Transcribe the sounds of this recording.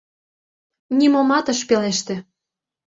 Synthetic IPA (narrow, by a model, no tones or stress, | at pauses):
nʲimomɑt̪ə̆ʃpeleʃt̪ĕ